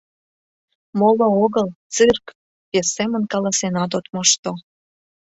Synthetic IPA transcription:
molooɣəlt͡sɨrk | pesːemənkɑlɑsenɑt̪̬ot̪moʃt̪o

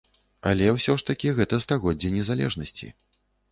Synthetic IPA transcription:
ɐ̰lʲɛwsʲɔʂt̪ɐkʲiɣɛt̪ɐst̪aɣɔd͡zʲːɛnʲɛzalʲɛ̰ʐnɐsʲt͡sʲḭ

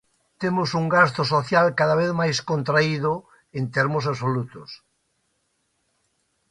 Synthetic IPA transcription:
t̪emosuŋɡast̪osoθjalkaðaβ̞eθmajskont̪ɾaiðo | ent̪eɾmosaβsolut̪os

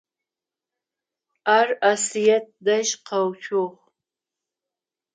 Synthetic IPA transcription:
arasijat̪̚d̪aʃqʰawt͡ʃʰoχ

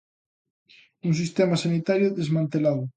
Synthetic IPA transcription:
uŋs̬ist̪emasanit̪aɾjʊðezmãnt̪elaðʊ

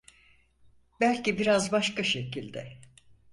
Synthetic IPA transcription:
bælʲcibiɾazbaʃkaʃe̞cilʲd̪ɛ

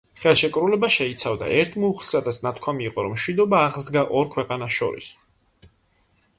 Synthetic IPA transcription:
χɛlˠʃɛkʼɾulɛbaʃɛit̪sʰavd̪a̰ʔɛɾt̪ʰmuːχlˠsad̪at̪sʰnat̪ʰkʰwamiːqʼɔɾɔ̰mʃwid̪ɔbaːʁzd̪ɡaʔɔɾkʰwɛqʼanasʃɔ̰ɾḭs

